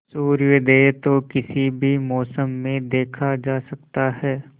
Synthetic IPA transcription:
suːɾʋɪd̪ʱet̪okɪsibʱimɔːsəmːẽd̪eːkʰad͡ʒaːsɐkt̪aɦɛː

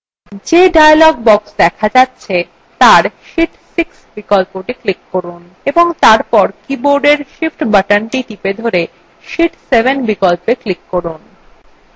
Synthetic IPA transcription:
d͡ʑeɖajlɔɡ̚bɔksd̪ɛkʰad͡ʑatːɕʰe | t̪aɾʃiʈsiksbikolpoʈiklikːoɾun | eboŋt̪aɾpɔɾkiboɾɖeɾʃifʈbaʈanʈiʈiped̪ʱoɾe | ʃiʈsebenbikolpeklikːoɾun

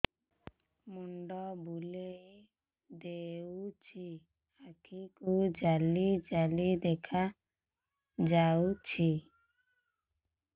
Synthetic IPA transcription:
muɳɖɔbulej | d̪eut͡ʃʰi | akʰikud͡ʒalid͡ʒalid̪ɛkʰa | d͡ʒawt͡ʃʰi

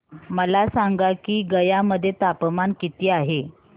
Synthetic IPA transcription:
məlasaŋɡakiːɡəjaməd̪ʱːjet̪apmankit̪iːaɦe

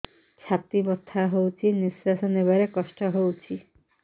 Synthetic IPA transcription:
t͡ɕʰat̪ibɔt̪ʰːaɦowt͡ʃʰinisɾasɔneβaɾekɔʃʈɔɦowt͡ʃʰi

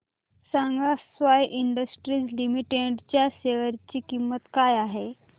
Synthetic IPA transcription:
saŋɡasʋajʔiɳɖəsʈɾiːd͡zlimiʈeɖt͡ɕjaseʋəɾt͡ɕiːkimːət̪kajaɦe

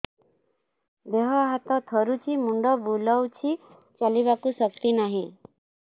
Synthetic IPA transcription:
d̪eɦɔɦat̪ɔ̃t̪ʰɔɾut͡ʃʰimuɳɖɔbuləwt͡ʃʰi | t͡ʃalibakusəkt̪inaɦĩ

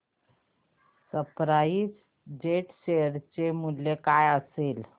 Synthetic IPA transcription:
səpɾais | d͡ʑeʈsejəɾt͡ɕemuljekajəsel

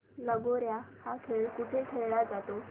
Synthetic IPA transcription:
ləɡoɾjahakʰeɭkit̪ʰekʰeɭɭad͡zat̪o

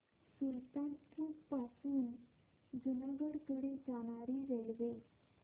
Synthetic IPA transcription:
sult̪ãnkʰuːppasuːn | d͡zunaɡəɽkəɽed͡zaɽ̃aɾiːɾelʋe

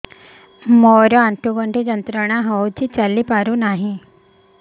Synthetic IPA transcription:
moɾjɔaɳʈuɡəɳʈid͡ʑənt̪ɾəɳ̃aɦəwt͡ɕiːt͡ɕalːiːpaɾuːnaɦi

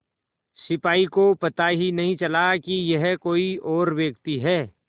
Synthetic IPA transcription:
sɪpaːikopɐt̪aɦinɐɦĩt͡ʃɐlakijɐɦkoːiɔːɾʋeːkt̪iɦɛː

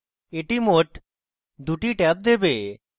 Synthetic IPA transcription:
eʈimoʈ | d̪uʈiʈɛp̚d̪ebe

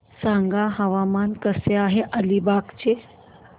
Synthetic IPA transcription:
sãŋɡaɦɐʋamaːnkəseaːɦeʔəlibaːkt͡ɕe

